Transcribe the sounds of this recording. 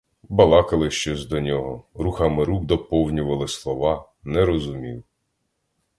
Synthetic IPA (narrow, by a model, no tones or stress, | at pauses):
bɐlˠɑkɐlˠɪʃt͡ʃɔsʲd̪ɔnʲɔɦɔɾuxɑmɪɾuɡd̪ɔpɔwnʲʊʋɐlˠɪslˠɔʋɑ | nɛɾɔzʊmʲiw